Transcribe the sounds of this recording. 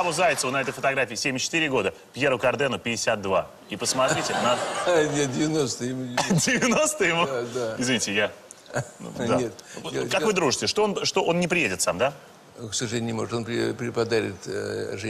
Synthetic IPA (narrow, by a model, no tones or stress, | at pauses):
ɐbʊzajɪt̪səvənɐɛt̪əjfət̪ɐɡɾafʲiːsʲemʲɪt͡ɕːɪ̥t̪ɨɾʲɪɡo̞d̪ə | pjeɾʊkɐrd̪ɛnʊpʲɪdʲɪsʲat̪̚d̪va | ipəsmɐt̪ɾʲitʲɪnɐnʲet̪̚dʲɪvʲɪnost̪ɨɪmudʲɪvʲɪno̞st̪ɨjɪmud̪aɪzvʲɪnʲitʲɪja̰ | d̪aet̪kakvɨd̪ɾuʐɨsʲtʲɪʂt̪oonʂt̪o̞ʔo̞nnʲɪpɾʲɪjedʲɪt̪samd̪a | ksəʐɨlʲenʲnʲɪmo̞ʐət̪o̞npɾʲɪpɾʲɪpɐd̪aɾʲɪ̰t̪ʐɨ